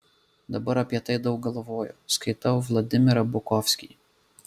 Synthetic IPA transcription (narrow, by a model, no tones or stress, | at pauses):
d̪ɐbɔɾɐpʲjɐt̪ɪjd̪ɐwɡɔlˠɔʋɔjʊskɐjt̪ɑwʋlˠɔd̪ɪmʲɪɾɐbʊkɔwsʲkʲij